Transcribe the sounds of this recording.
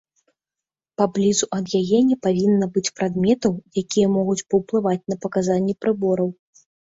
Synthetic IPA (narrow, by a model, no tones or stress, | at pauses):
pablʲizuʔɐd̪jajɛnʲɛpavʲinːɐbɨt͡sʲpɾad̪mʲɛt̪ɐwjakʲijɐmɔɣut͡sʲpɐwplˠɨvat͡sʲnɐpɐkazanʲːɛpɾɨbɔɾɐw